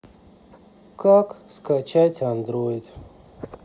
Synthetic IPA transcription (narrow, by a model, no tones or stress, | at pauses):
kakskat͡ɕajt͡sʲand̪ɾojd̪